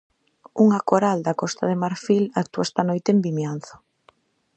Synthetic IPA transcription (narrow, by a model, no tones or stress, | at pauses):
uŋakoɾald̪akɔst̪aðemaɾfilak̚t̪uaest̪anojt̪eːmbimjan̟θo̥